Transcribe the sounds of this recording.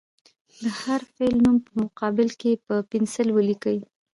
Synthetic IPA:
d̪əhaɾfelnumpəmʊqɑbɪlkepəpɪnsɪlwəlikəwi

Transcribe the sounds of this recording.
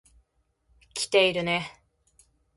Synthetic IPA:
kʲʰi̥t̪e̞iɾɯ̟ne

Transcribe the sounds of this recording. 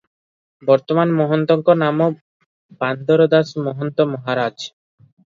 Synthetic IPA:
bɔɾt̪omanmɔɦɔnt̪ɔŋkonamo | band̪oɾod̪asmɔɦont̪omɔɦaɾad͡ʑ

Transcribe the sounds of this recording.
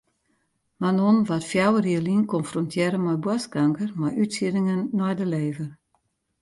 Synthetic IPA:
manonʋatfjawəriəlinkɔnfrɔntʰjɛɾəmɔjbwaskaŋkərmajytsiɾɪŋənːɔjdəleːvər

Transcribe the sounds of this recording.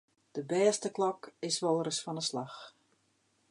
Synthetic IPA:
d̥əbɛːstəklɔkɪsʋɔlˠrəsfɔnəslax

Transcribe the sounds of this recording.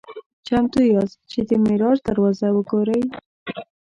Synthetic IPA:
t͡ʃamt̪ujɑzt͡ʃed̪əmɪɾɑʒd̪aɾwɑzawəɡoɾəj

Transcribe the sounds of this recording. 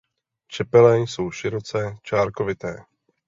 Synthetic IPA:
t͡ʃɛpɛlɛso̞wʃɪɾot͡sɛt͡ʃaːɾkovɪt̪ɛː

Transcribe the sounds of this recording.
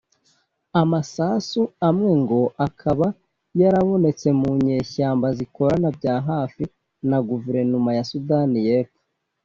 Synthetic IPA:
amasasuamŋe̞ŋɡo̞ʔakʰaβa | jaɾaβo̞ne̞t͡se̞muɲe̞ːçaːmbaziko̞ɾanabɟaːɦaːfi | naɡuveɾe̞numajasudanijeːpo̥

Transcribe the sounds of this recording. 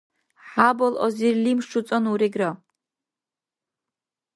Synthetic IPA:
ħabolʔozirlimʂut͡sʼonuɾiɡra

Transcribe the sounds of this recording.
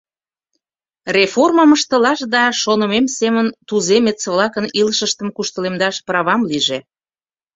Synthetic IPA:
reforməməʃt̪ə̆lɑʃd̪ɑʃonə̆memsemənt̪uzemet͡səβlɑkəniləʃəʃt̪əmkuʃt̪əlemd̪ɑʃprɑβɑmliʒe

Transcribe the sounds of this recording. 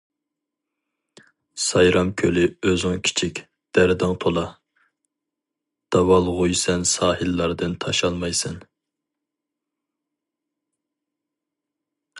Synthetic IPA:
sɑjɾʔɑmkʲʰølɪøzɪŋkʲʰi̥t͡ʃʰikʲ | d̪̥æɾd̪ɨŋt̪ʰolˠɑ | d̪̥ɑwɑlˠʁujsɛnsɑːhɨlːɑɾd̪ɨnt̪ʰɑʃɑlˠmɑjsɨn

